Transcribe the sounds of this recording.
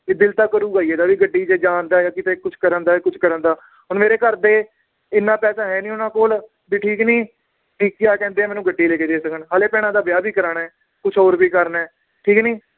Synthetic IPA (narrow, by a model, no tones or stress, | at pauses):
ɪd̪ɪlt̪aːkəɾuːɡaːiːeːd̪aːʋiːɡəɖːiːd͡ʒeːd͡ʒaːnd̪aːjãːkɪt̪eːkʊt͡ʃʰkəɾənd̪aːkʊt͡ʃʰkəɾənd̪aː | ɦʊnmeːɾeːkəɾd̪eː | ɪnːãːpɛːsaːɦɛːnĩːʊnãːkoːl | biːʈʰiːkniː | ʈiːkːɪjaːkɛ̃ːnd̪eːaːmɛːnũːɡəɖːiːleːkeːd̪eːsəkənɦaːleːpɛːɽ̃ãːd̪aːbɪjaːbʱiːkəɾaːɳɛː | kʊt͡ʃʰoːɾbiːkəɾnɛː | ʈʰiːkniː